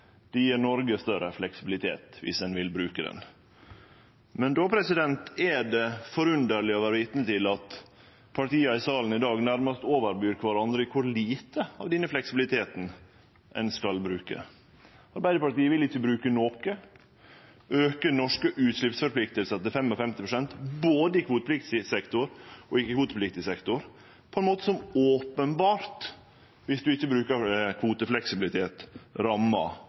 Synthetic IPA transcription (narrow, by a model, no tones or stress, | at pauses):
d̪̥ɛjiːɾnɔɾɡəst̪œɾəflɛksɪbɪlɪt̪ʰḛːt̪ʋɪ̰sɛnʋɪlbɾʉːkəd̪ɛ̰n | mɛnd̪oːpʰɾɛsɪd̪ɛnt̪ɛɖɛfɔɾʉnd̪əɾlɪɔʋæːɾəʋɪːt̪nət̪ɪlɑt̪ | pʰɑʈiːɑɪsɑːln̩ɪd̪ɑːɡnæɾməst̪oːʋəɾbyːɾkʰʋɑɾɑnd̪ɾəkʰʊɾliːt̪əɑ̰ʋd̪ɛnːəflɛksɪbɪlɪt̪ʰeːt̪n | ɛ̰nskɑlbɾʉːkə̰ | ɑɾbæɪd̪əpɑɾʈ̪t̪iːəʋɪlɪçːəbɾʉːkənoːkə | øːkənɔʂkəʔʉːt̪slɪpsfɔɾpʰlɪk̚t̪əlsət̪ɪfɛmɔfɛmt̪ɪpɾʊsɛnt̪boːd̪əɪkʰʋuːt̪əpʰlɪk̚t̪sɪsɛkt̪ʊɾʔɔɪkːəkʋuːt̪əpʰlɪk̚t̪ɪsɛkt̪ʊɾ | pʰɔɛnmoːt̪əsɔmoːpənbɑːɾt̪ | ʋɪsd̪ʉɪçːəbɾʉːkəɾkʰʋuːt̪əflɛksɪbɪlɪt̪ʰeːt̪ɾɑmːɑ̰